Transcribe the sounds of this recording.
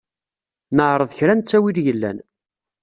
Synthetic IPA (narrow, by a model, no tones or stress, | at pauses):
nəʕɾˤəðˤçɾænt͡sːæwiɾjəlːæ̰n